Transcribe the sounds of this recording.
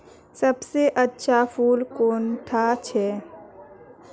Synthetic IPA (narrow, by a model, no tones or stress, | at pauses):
sɐbseʔətːʃʰapʰuːlkoːnt̪ʰat͡ʃʰɛː